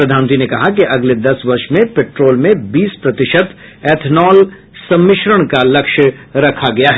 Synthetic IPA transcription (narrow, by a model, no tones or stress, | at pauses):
ɾɐd̪ʱaːñə̃nt̪ɾinekɐɦak̬eʔɐɡled̪ɐsʋɐɾʃmẽpeːʈɾoːlmẽbiːspɾɐt̪ɪʃət̪ɛːt̪ʰnɔːl | sɐ̃mːɪʃɾəɽ̃kalɐkʃəɾɐkʰaɡɐjaɦɛ